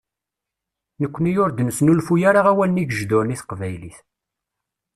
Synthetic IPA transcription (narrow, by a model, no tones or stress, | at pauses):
nəkʷːnijʊɾd̪nəsnulfujaɾaʁæwælniɡəʒd̪ʊɾniθqvæjliθ